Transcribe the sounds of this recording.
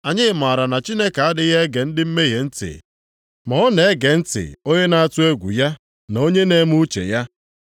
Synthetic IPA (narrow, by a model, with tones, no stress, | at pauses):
a˨ɲɪ˦ma˨ɾa˨na˨t͡ʃi˦ne˦ka˨a˦dɪ˦ɣe˦ɡe˨n̩˦dɪ˦m̩˦me˦ɦe˨n̩˦tɪ̰˨ | mɔ˦ɔ˦ne˨e˦ɡe˨n̩˦tɪ̰˨o˦ɲe˦na˦a˨tʊ˦e˦ɡʷṵ˨ja˦ | no˦ɲe˦ne˦mu˦t͡ʃḛ˨ja˦